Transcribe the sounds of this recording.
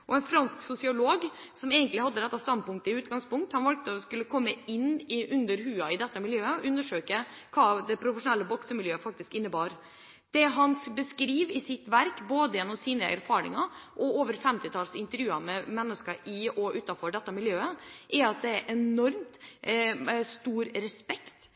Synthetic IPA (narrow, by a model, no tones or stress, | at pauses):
ʔɔɛnfɾɑnsksʊsɪʊloːɡsɔmeːɡənt̪lɪhɑd̪ːəd̪ɛt̪ːɑst̪ɑnd̪̚pʊŋk̚t̪əɪʉːt̪ɡɑŋspʊŋk̚t̪hɑnʋɑlk̚t̪əɔskʉlːəkʰɔmːəɪnːɪʔʉnd̪əɾɦʉːɑɪd̪ɛt̪ːəmɪljøːəɔʔʉnːəʂøːkə | kʰɑːd̪ɛpʰɾʊfəʂʊnɛlːəbɔksəmɪljøːəfɑk̚t̪ɪskɪnːəbɑːɾ | d̪̥ɛɦɑnbəskɾiːʋɪsɪt̪ʋæɾkboːd̪əjɛnːɔmsiːnəʔæ̰ɾfɑːɾɪ̰ŋɑʔɔoːʋəɾfɛmt̪ɪt̪ʰɑːlsɪnt̪əɾjʉːɑmɛmɛnːəskəɾɪɔʔʉːt̪ɑfɔɖɛt̪ːəmɪljøːəʔɛɾɑt̪̚d̪ɛæɾʔɛnɔɾmt̪ | st̪uːɾɾɛspɛkt̪